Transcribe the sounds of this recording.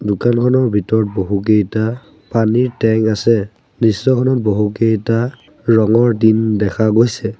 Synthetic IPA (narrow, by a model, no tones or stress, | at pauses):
dʊkankʰɔnɔɹbʱitɔɹɔt̚boɦuk̬ejta | paniɹtɛŋasɛ | nisːɔkʰɔnɔt̚boɦukejta | ɹɔŋɔɹdindɛkʰaɡojsɛ